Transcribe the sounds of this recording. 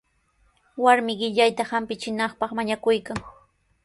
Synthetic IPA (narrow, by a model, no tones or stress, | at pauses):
waɾmɪɢɪʎajt̪ahampɪt͡ʃɪnɑχpɑχmaɲakʊjkaŋ